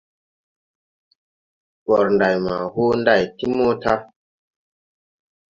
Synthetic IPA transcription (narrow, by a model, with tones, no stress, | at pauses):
ɓɔ˨ɾnda˨jma̰˨ho˦nda˦˨jti˦mo˦ta˦